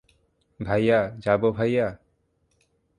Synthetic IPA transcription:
bʱajad͡ʒabɔbʱaja

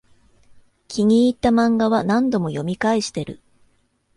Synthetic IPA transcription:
kʲʰiɲ̟iːt̪ːamãŋɡaβanãnd̪o̞mo̞jo̞mʲikaiɕi̥t̪e̞ɾɯ̟̰

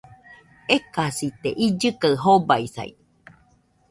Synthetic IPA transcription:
ekasit̪eʔid͡ʒɨkaɨɦobaisa̰ḭ

